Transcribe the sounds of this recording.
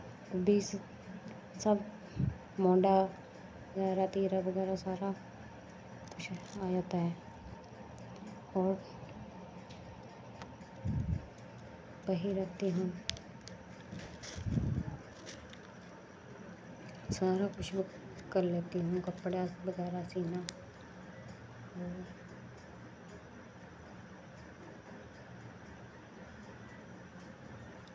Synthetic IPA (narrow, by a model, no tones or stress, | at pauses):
biːs | səb | mɔ̃ːɖaː | ɡɛːɾaːt̪eːɾaːbəɡɛːɾaːsaːɾaː | kʊt͡ʃʰaːd͡ʒaːt̪aɦɛː | ɔːɾ | pəɦiːɾət̪iːɦõː | saːɾakʊt͡ʃʰb | kɐɾleːt̪eɦũkɐpːɽabəɡɛːɾasiːna | ɦoː